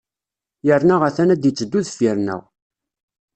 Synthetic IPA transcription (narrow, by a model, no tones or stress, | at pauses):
jəɾnəʁæθænæd̪jət͡sːəd̪ːuðfjəɾnə̰ʁ